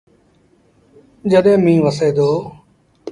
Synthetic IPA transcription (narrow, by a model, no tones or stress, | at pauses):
d͡ʒəɗẽːmĩːʋəseːd̪oː